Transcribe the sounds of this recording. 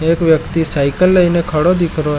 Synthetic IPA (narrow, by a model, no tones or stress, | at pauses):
ekʋjəkt̪isajkəlːəinekʰəɽod̪ikʰɾo